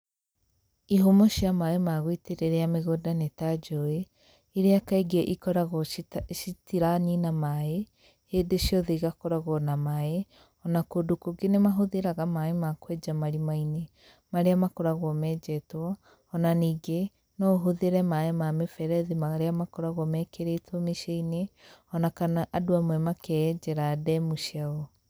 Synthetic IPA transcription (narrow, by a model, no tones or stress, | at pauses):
iɦomoʃiamaemaɣwiteɾeɾɛameɣodanetad͡ʒoe | eɾeakaiɡeʔikɔɾaɣʃitiɾaninamae | hedeʃjɔðeɣakɔɾaɣwɔnamae | ɔnakoːdokoɡenemaɦoðeɾaɣamaemakwɛd͡ʒamaɾimaine | maɾeamakoɾaɣwɔmɛːd͡ʒɛtwɔː | naniːɡe | nɔoɦoðeɾɛmaemamefɛɾɛðimaɾeamakoɾaɣwɔmɛkeɾetwɔmeʃaineɔnakanaʔadoamwɛmakɛd͡ʒɛɾadɛmuʃjaɣɔ